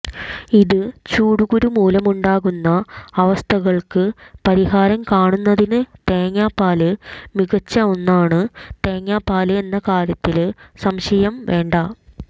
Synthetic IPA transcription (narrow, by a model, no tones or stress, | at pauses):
iðɨt͡ɕuːɽuɣuɾumuːlɐmuɳɖaːɣunːɐɐʋɐst̪ʰɐɣɐɭkɨpɐɾiɦaːɾɐmkaːɳunːɐðinɨt̪e̞ːŋːaːpːaːlɨmiɣɐt͡ɕːɐo̞nːaːɳɨt̪e̞ːŋːaːpːaːlɨe̞nːɐkaːɾjɐt̪ːilsɐmɕɐjɐmʋe̞ːɳɖɐ